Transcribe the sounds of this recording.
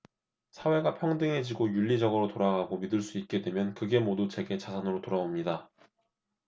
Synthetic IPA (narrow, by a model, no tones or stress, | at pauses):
sʰawe̞ɡapʰjʌŋdɯŋɦe̞d͡ʑiɡojuʎːid͡ʑʌɡɯɾotoɾaɡaɡomidɯɭs͈uit̚k͈e̞dwe̞mjʌnkɯɡe̞modut͡ɕe̞ɡe̞t͡ɕasʰanɯɾotoɾaomɲida